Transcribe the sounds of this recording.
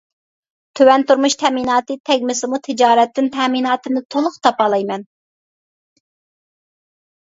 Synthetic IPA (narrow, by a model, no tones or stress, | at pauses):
t̪ʰøwɛnt̪uɾmuʃt̪ʰɛminɑːt̪ɨt̪ʰɛɡʲmɪsɪmut̪ʰɪd͡ʒɑːɾɛt̪ːɪnt̪ʰɛminɑːt̪ɨnɨt̪ʰolˠʊχt̪ʰɑpɑːlˠɑjmɛn